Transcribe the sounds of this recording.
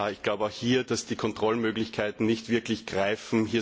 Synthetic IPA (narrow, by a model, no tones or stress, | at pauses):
aɪçɡ̥laʊbəaʊxhiːɐd̥asd̥iːkʰɔntʁ̥ɔlmøːɡlɪçkʰaɪtn̩nɪçtv̥ɪɐklɪçɡ̥ʁaɪfm̩hiː